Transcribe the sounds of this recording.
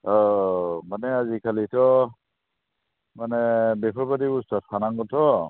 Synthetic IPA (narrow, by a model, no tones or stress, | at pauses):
ɔmanɛazikʰalitʰɔ | manɛbɛpʰɔɹpadibustɔt̚kʰanaŋɡɔtʰɔ